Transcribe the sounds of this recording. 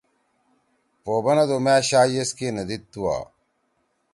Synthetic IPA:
poːbɐnɐd̪omæːɕaːjeskenɐd̪itt̪ːuwa̰ː

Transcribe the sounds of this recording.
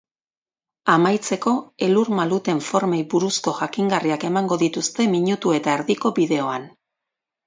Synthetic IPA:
amajt͡se̞ko̞e̞luɾmalut̪e̞ɱfo̞ɾme̞jbuɾusko̞ʝakiŋɡariake̞maŋɡo̞ðit̪ust̪e̞miɲut̪ue̞t̪aeɾðiko̞βiðe̞o̞an

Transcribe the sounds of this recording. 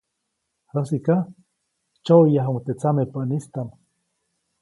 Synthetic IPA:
hasika | t͡ʃojaɦuŋt̪et͡samepaʔnist̪am

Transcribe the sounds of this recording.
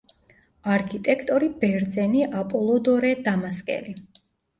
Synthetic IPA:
aɾkʰit̪ʼɛkʰt̪ʼɔɾibɛɾd̪zɛniʔapʼɔlˠɔd̪ɔɾɛd̪amaskʼɛ̰li

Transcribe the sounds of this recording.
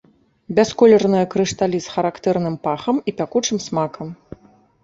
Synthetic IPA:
bʲaskɔlʲɛrnɐjɐkɾɨʂt̪alʲisxɐɾakt̪ɛrnɨmpaxɐmipʲakut͡ʂɨmsmakɐm

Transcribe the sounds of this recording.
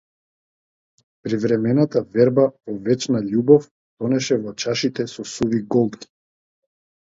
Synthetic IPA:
pɾivɾɛmɛnat̪avɛɾbavɔvɛt͡ʃnaʎubɔf | t̪ɔnɛʃɛvɔt͡ʃaʃit̪ɛsɔsuviɡɔlˠt̪ki̥

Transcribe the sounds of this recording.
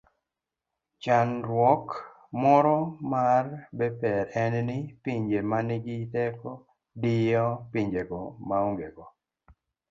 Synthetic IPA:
t͡ʃanɾwɔk | mɔɾɔmarbɛpɛɾɛnnɪpiɲd͡ʒemanɪɡɪtɛkɔ | dɪjɔpiɲd͡ʒeɡɔmauŋɡeɡɔ

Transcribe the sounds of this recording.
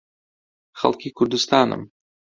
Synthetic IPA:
xɐ̰lˠkʲikurd̪ɨst̪anə̰m

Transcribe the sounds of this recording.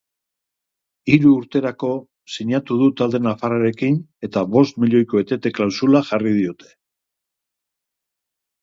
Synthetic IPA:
iɾuːɾt̪e̞ɾako̞ | siɲat̪uð̞ut̪ald̪e̞nafaɾaɾe̞kine̞t̪aβo̞st̪miʎo̞jko̞et̪e̞t̪e̞klawsulaʝarið̞io̞t̪e̞̥

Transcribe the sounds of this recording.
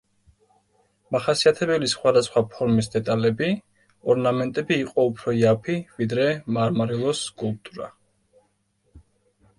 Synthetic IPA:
maχasiat̪ʰɛbɛlisχwad̪asχwapʰɔɾmisd̪ɛt̪ʼalɛbi | ɔɾnamɛnt̪ʼɛbiːqʼɔupʰɾɔiapʰivid̪ɾɛmaɾmaɾilˠɔsːkʼulˠp̚t̪ʼuɾa̰

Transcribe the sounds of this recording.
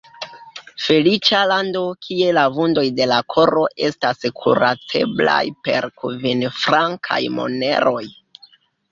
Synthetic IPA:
fe̞lit͡ʃalando̞kʰie̞lavundo̞jde̞lakʰo̞ɾo̞ʔe̞staskʰṵɾatʰe̞bla̰jpe̞̰ɾkuvinfɾaŋkʰa̰jmo̞̰ne̞̰ɾʔo̞j

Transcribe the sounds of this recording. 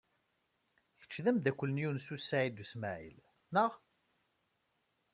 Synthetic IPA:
çə̥t͡ʃːðæmd̪ækʷːələnjunsusːaʕid̪usmæʕḭl | nəʁ

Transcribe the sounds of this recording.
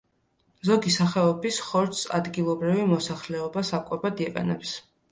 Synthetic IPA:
zɔɡisaχɛɔbisχɔɾt̪sa̰d̪ɡilˠɔbɾivimɔsaχlɛɔbasakʼɛbad̪iɛqʼɛ̰nɛps

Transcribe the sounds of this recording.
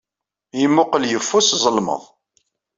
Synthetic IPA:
jəmːʊqəljəfːuszˤəlmə̰ðˤ

